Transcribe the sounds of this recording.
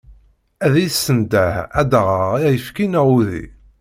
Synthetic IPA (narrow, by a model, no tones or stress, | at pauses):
æðisːənd̪æhæd̪əʁəʁijəfkinæʁuðḭ